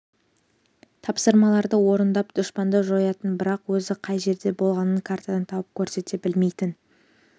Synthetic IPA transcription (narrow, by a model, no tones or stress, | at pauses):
t̪ʰɑpsəɾmɑlˠɑɾd̪əwo̞ɾənd̪ɑp̚d̪̥ʊʃpɑnd̪əʒojɑt̪ənbɪɾɑqwɵzɪqʰɑjʒe̞ɾd̪e̞bo̞lˠʁɑnəŋkʰaɾt̪ad̪ɑnt̪ʰɑwəp̚kʲʰɵɾse̞t̪e̞bɪlme̞jt̪ɪn